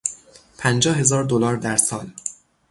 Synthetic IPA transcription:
pʰænd͡ʒɒːhe̞zɒːɾd̪olɒːɾd̪æɾsɒːl

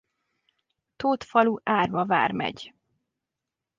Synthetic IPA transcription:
t̪oːt̪fɒluʔaːrvɒva̰ːrmɛ̰ɟ

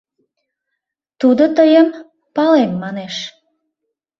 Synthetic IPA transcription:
t̪ud̪ot̪əjəm | pɑlemːɑneʃ

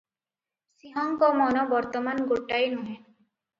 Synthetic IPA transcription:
siɦɔŋkɔmɔnɔbɔɾt̪ɔmanɡoʈajnuɦen

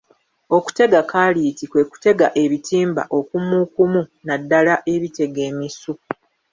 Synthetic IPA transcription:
o̞ku̥te̞ɡakaːliːtikwe̞ːku̥te̞ɡaʔe̞βitiːmba̰ʔo̞kumukumunadːalaʔe̞βite̞ɡe̞ːmisu

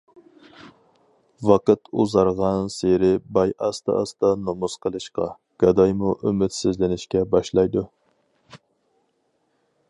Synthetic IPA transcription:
vɑqət̪uzɑɾʁɑnseɾɪbɑjɑst̪ɑ̰ɑst̪ɑnomusqʰəlˠɨʃqɑ | ɡ̥ɑd̪ɑjmuʔymɪt̪sɪzlɪnɪʃkʲɛbɑʃlˠɑjd̪u

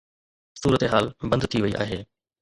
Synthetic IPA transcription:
suːɾət̪eɦaːlbɐ̃nd̪t̪ʰiʋɐiʔa̰ːɦeː

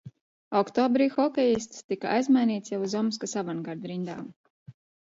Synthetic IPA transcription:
ɔkt̪ɔːbɾiːxɔkʲɛjist̪st̪ikaa̰jzmajniːt̪sʲjavuzɔms̬kasavanɡaɾd̪ɾind̪a̰ːm

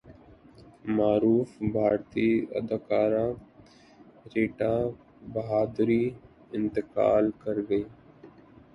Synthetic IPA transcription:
maːɾuːfbʱaːɾt̪iːɐ̰d̪akaːɾã | ɾeːʈa | bɐɦaːd̪ɾiː | ɪ̃nt̪ɪka̰ːlkəɾɡəiː

